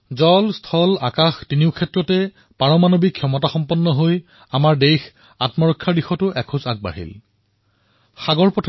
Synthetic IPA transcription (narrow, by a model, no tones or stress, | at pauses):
zɔlstʰɔlakaxtiniʊkʰɛtɹɔtɛ | paɹɔmanobikʰːjɔmɔtaxɔmpɔnːɔɦoj | amaɹdejx | atmɔɹɔkʰːaɹdixɔtʊʔɛkʰʊzak̚ba̰ɦḭl | xaɡɔɹpɔtʰ